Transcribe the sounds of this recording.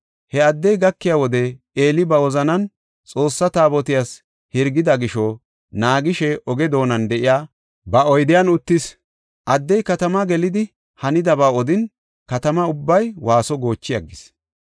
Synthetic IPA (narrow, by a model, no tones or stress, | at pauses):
hɛɐd̪ːɛjɡɐkːɪjawɔd̪ɛ | eːlɪbɐwɔzɐnɐn | t͡sʼo̞ːsːɐt̪aːbɔt̪ɪjas | hɪɾɡɪd̪ɐɡɪʃɔ | naːɡɪʃɛʔɔɡɛd̪o̞ːnɐnd̪ɛʔɪjaː | bɐɔjd̪ɪjɐnʊt̪ːɪs | ʔɐd̪ːɛjkɐt̪ɐmɐɡɛlɪd̪ɪ | hɐnɪd̪ɐbaːɔd̪ɪn | kɐt̪ɐmɐʊbːɐjwaːsɔɡo̞ːt͡ʃːɪjɐ̰ɡːɪs